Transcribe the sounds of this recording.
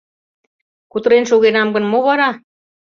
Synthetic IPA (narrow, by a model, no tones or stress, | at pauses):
kut̪ə̆ɾenʃuɣenɑmɡə̆nmoβɑɾɑ